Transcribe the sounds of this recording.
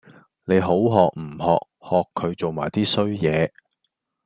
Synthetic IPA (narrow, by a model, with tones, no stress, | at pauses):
ne˨˧jɦo˨˥wɦɔː˨k̚m̩˨˩hɔ̰ː˨k̚hɔː˨kʰːɵ˨˧ɥt͡so˨wmaː˨˩jt̪iː˥sɵ˥ɥjɛː˨˧